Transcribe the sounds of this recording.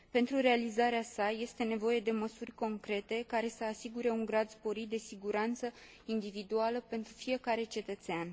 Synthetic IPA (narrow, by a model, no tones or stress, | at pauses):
pe̞nt̪ɾure̞alizaɾeasaje̞st̪e̞ne̞vo̞je̞d̪e̞məsurʲko̞ŋkɾe̞t̪e̞kaɾe̞səasiɡuɾe̞uŋɡɾad̪spo̞ɾit̪̚d̪e̞siɡuɾant̪sə | ind̪ivid̪ualəpe̞nt̪ɾufije̞kaɾe̞t͡ʃe̞t̪ət̪sean